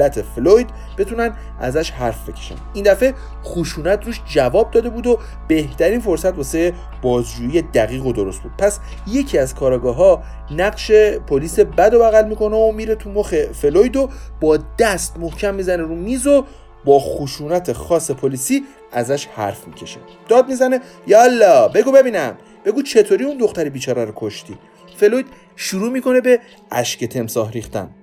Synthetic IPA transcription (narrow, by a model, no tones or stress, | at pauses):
læt̪ʰefelojd̪ | be̞t̪ʰunæn | æ̰zæʃhæɾfbe̞cʰe̥ʃæ̰nind̪æfe̞ | xoʃuːnæt̪ʰruːʃd͡ʒævɒːb̚d̪ɒːd̪e̞buːd̪o | b̥e̞ht̪ʰæɾiːnfo̞ɾsæt̪vɒseje | b̥ɒːzd͡ʒuːjijed̪æɣiːɣo̞d̪oɾo̞st̪buːd̪̥̚pʰæs | je̞cʰiæzkʰɒːɾɒːɡɒːɦɒː | næɢʃe̞pʰoliːsebæd̪o̞bæɣælmiːko̞neomiːɾe̞t̪ʰumoxe̞felojd̪ob̥ɒːd̪æst̪mohcʰæmːiːzæneɾumiːzo | bɒːxuʃuːnæt̪ʰe̞xɒːsepʰoliːsiː | æzæʃhæ̰ɾfmicʰe̞ʃe | d̪̥ɒːd̪̚mizæne | jɒlːɒːbe̞ɡuːbe̞biːnæm | b̥e̞ɡuːt͡ʃʰe̞t̪ʰoɾiund̪o̞xt̪æɾibiːt͡ʃʰɒːɾæɾokʰoʃt̪iː | fe̞lojd̪̥ | ʃuɾuːmiko̞ne̞be̞ | æ̰ʃcet̪ʰe̞msɒːɦɾiːxt̪æ̰n